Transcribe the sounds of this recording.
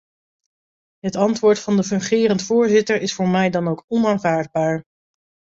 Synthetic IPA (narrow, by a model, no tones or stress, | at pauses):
ɦətɑntʋʊːɹtfɑndəfɵŋχɪːrəntfʊːɹzɪtəɹɪsfʊːɹmɛjdɑnowkɔnaːnvaːɹd̚baːɹ